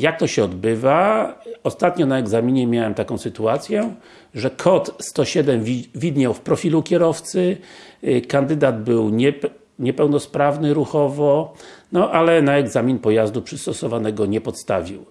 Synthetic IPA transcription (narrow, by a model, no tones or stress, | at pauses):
jak̚t̪ɔɕɛɔd̪bɘvaɔst̪at̪ɲɔnaɛɡzamʲiɲɛmʲjawɛmt̪akɔ̃w̃sɘt̪uat̪sʲjɛ | ʐɛkʰɔt̪st̪ɔɕɛd̪ɛmʲvʲid̪ɲawfpɾɔfʲilukʲɛɾɔft̪sɘ | kand̪ɘd̪ad̪bɘwɲɛ | ɲɛpɛwnɔspɾavnɘɾuxɔvɔnɔʔalɛnaɛɡzamʲinpɔjazd̪upʂɘst̪ɔsɔvanɛɡɔɲɛpɔt̪st̪avʲiw